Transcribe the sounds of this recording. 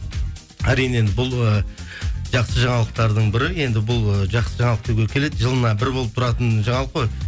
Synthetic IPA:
æɾijne̞nd̪ɪbʊlˠə | ʒ̥ɑqsəʒɑɴɑlˠəq̚t̪ɑɾd̪əɴbɪɾɪe̞nd̪ɪbʊlˠəʒɑqsəʒɑɴɑlˠəqt̪ʰuɡʲe̞kʲʰele̞d̪ɪʒəlˠənɑbɪɾbo̞lˠəpt̪ʰɾɑt̪ənʒɑɴɑlˠəqːo̞j

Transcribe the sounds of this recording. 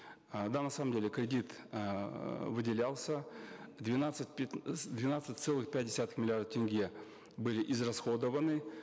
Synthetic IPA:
d̪anɐsaməmdʲelʲɪkɾʲɪdʲit̪ | vɨdʲɪlʲalˠsʲəd̪vʲɪnat̪sɨt̚ʲpʲd̪vʲɪnat̪sɨt̚ʲt̪sɛlˠɨxpʲæt̚ʲdʲɪsʲat̪ɨ̥xmʲɪlʲɪard̪əftʲɪnʲɡʲe | bɨlʲɪʔɪzrɐsxo̞d̪əvənɨ

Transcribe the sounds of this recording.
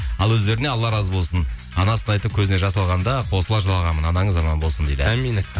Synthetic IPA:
ɑlˠwɵzd̪e̞ɾɪneɑlˠːɑɾɑzbo̞lˠsən | ɑnɑsənɑjt̪əp̚kʲʰɵzɪne̞ʒɑsɑlˠʁɑnd̪ɑqʰo̞səlˠɑʒəlˠɑlˠʁɑmənɑnɑɴəzːɑmɑnbo̞lˠsənd̪ejd̪ɪ̰min

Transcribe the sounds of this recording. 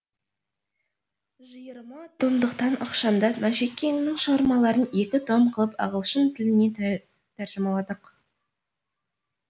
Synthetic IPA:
ʒəjəɾmɑt̪ʰomd̪əqt̪ɑnʔɑ̰qʃɑnd̪ɑmæʃekʲʰːe̞ŋɪnɪŋʃəʁɑɾmɑlˠɑɾəne̞kʲɪt̪ʰomqʰəlˠəpɑ̰ʁəlˠʃənt̪ʰɪlɪne̞ | t̪ʰæɾʒəmɑlˠɑd̪əq

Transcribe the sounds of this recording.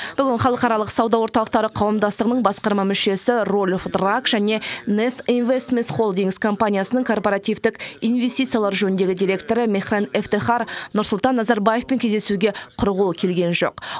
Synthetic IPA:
b̥ʏɡʲɪnχɑlˠəqɑɾɑlˠəqsɑwd̪ɑwo̞ɾt̪ɑlˠəqt̪ɑɾəqʰɑwəmd̪ɑst̪əʁənəɴbɑsqɑɾmɑmʏʃe̞sɪrolʲfd̪rakʒ̥æne̞nesinvest̪ment̪χo̞lˠd̪iŋɡzkʰo̞mpanʲijasənəɴŋkʰo̞rpoɾat̪ijvd̪ɪkijnvʲe̞st̪ijt̪sɨjalˠɑɾʒɵnɪnd̪e̞ɡʲɪd̪iɾʲe̞k̚t̪o̞ɾəmeχraneft̪eχɑɾnʊɾsʊlˠt̪ɑnːɑzɑɾbaje̞fpeŋkʲʰezd̪e̞suɡʲe̞qʰʊɾʁʊlˠkʲʰe̞lɡʲe̞nʒo̞̰q

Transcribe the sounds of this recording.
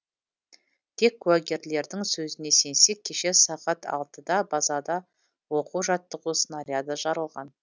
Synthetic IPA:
t̪ʰe̞kːʰuwɑɡʲe̞ɾle̞ɾd̪ɪŋsɵzɪne̞se̞nse̞kʲʰːe̞ʃe̞sɑqɑt̪ʰɑ̰lˠt̪əd̪ɑbɑzɑd̪ɑ | wo̞quʒɑt̪ːəʁusənaɾijad̪ɑʒɑɾəlˠʁɑn

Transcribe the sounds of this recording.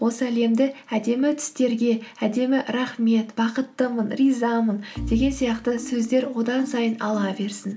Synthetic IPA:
wo̞səæle̞md̪ɪæd̪e̞mɪt̪ʰʏ̥st̪e̞ɾɡʲe̞æd̪e̞mɪɾɑχme̞t̪bɑqət̪ːəmənrijzɑmənd̪̥e̞ɡʲe̞nsijɑqt̪əsɵzd̪e̞ɾwo̞d̪ɑnsɑjənɑlˠɑbe̞ɾsɪn

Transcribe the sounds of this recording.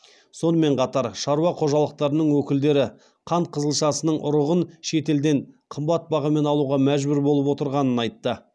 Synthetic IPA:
so̞nəme̞ɴqʰɑt̪ɑɾʃɑɾuɑqʰo̞ʒɑlˠəq̚t̪ɑɾənəɴwɵkʲɪld̪e̞ɾɪ | qʰɑɴqʰəzəlˠʃɑsənəɴʔʊ̰ɾəʁənʃe̞t̪e̞ld̪eɴqʰəmbɑt̪̚bɑʁɑme̞nɑlˠuʁɑmæʒbʏɾbo̞lˠəpwo̞t̪əɾʁɑnənɑjt̪ːə

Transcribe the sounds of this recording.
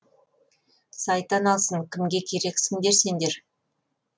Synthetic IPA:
sɑjt̪ɑnɑlˠsəɴkʲʰɪmɡʲe̞kʲʰe̞ɾe̞ksɪnd̪e̞ɾse̞nd̪e̞ɾ

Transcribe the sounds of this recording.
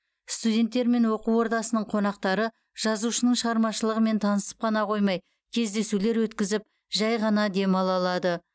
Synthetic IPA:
st̪ud̪ʲe̞nt̪ːe̞ɾme̞nwo̞quwo̞ɾd̪ɑsənəɴqʰo̞nɑq̚t̪ɑɾə | ʒ̥ɑzuʃənəɴʃəʁɑɾmɑʃəlˠəʁəme̞nt̪ʰɑnəsə̥p̚qʰɑnɑqʰo̞jmɑj | kʲʰe̞zd̪e̞sule̞ɾwɵt̪kʲɪzɪp̚ | ʒɑjʁɑnɑd̪e̞mɑlˠɑlˠɑd̪ə

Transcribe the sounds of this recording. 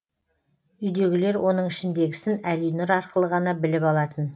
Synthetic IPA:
ʏjd̪e̞ɡʲɪle̞ɾwʔo̞nəɴɪʃɪnd̪e̞ɡʲɪsɪnælujnɪɾɑɾqəlˠəʁɑnɑbɪlɪpɑlˠɑt̪ən

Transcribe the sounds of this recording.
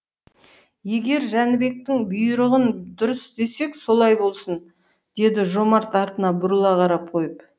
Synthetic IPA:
je̞ɡʲe̞ɾʒænɪbe̞k̚t̪ɪŋbʊjɾəʁənd̪ʊɾəsd̪e̞se̞kso̞lˠɑjbo̞lˠsən | d̪̥e̞d̪ɪʒo̞mɑɾt̪ɑɾt̪ənɑbʊɾəlˠɑqʰɑɾɑp̚qʰo̞jəp

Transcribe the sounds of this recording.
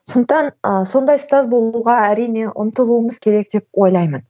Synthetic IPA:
sond̪əqt̪ɑnəso̞nd̪ɑjst̪ɑzbo̞lˠuʁɑæɾijne̞ʔʊ̰nt̪əlˠuəməzkʲʰe̞ɾe̞k̚d̪e̞p̚wo̞jlˠɑjmən

